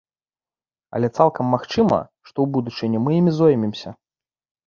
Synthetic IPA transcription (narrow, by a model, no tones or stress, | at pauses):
ɐ̰lʲɛt̪salˠkɐmːaxt͡ʂɨmɐ̰ʂt̪ɔwbud̪ut͡ʂɨnʲɛmɨjimʲizɔjmʲɛmsʲɐ